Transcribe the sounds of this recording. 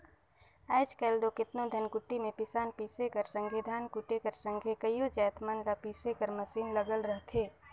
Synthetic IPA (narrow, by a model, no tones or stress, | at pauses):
ɛːt͡ʃkɛːld̪okɪt̪nõd̪ʱənkʊʈːimẽpɪsaːnpiːsekəɾsə̃ŋɡʱed̪ʱaːnkʊʈekəɾsə̃ŋɡʱekəjod͡ʒaːt̪mankapiːsekəɾmɐsiːnləɡəlɾəɦt̪ʰeː